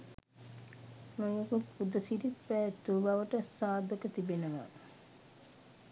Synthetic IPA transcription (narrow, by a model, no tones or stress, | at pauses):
mujokut̪pud̪əsiɾit̪pæːt̪ːuʋbaʋəʈəsaːd̪ʱəkət̪ibenəʋa̰